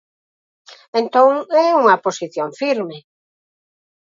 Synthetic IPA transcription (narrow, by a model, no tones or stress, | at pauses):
ẽnt̪õŋɛuŋɐposiθjõɱfiɾme